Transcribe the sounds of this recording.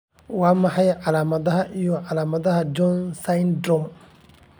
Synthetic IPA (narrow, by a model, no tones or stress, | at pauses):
waːmɐħɑjʕɑlaːmɐðɐɦɐʔijɔʕɑlaːmɐðɐɦɐd͡ʒɔnsajnd̪ɾɔm